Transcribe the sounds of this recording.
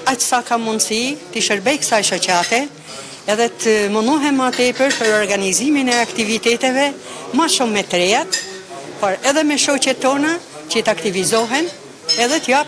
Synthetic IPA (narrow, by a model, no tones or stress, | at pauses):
acsakamːund̪sit̪iʃəɾbɛjkə̥sajʃɔt͡ɕat̪ɛ | ɛðɛt̪əmənɔɦɛnmat̪ɛpəɾpəɾɔɾɡaniziminɛakt̪ivit̪ɛt̪ɛvɛmaʃumːɛt̪ɾɛjat̪ | pɔɾɛðɛmɛʃɔt͡ɕɛt̪ːɔna | t͡ʃət̪akt̪ivizɔɦɛn | ɛðɛt̪ja